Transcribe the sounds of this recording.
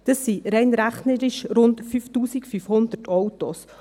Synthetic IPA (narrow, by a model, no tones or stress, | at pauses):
d̪̥əsːiɾɛɪnɾæχnəɾɪʃɾʊndfyftuːsikfyfhʊnd̪ətʰɔwtos